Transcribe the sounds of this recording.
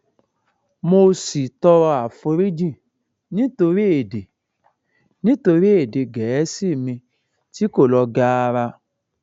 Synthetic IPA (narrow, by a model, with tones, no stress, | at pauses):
mo˧si˨tɔ˧ɾɔ˧a˨fo˧ɾi˦d͡ʒĩ˦˨ | nĩ˨˦to˧ɾi˦e˨de˨ | nĩ˦to˧ɾi˦e˦˨de˨ɡɛ˨ɛ˦si˦˨mĩ˧ | ti˦ko˦˨lɔ˧ɡa˦a˧ɾa˧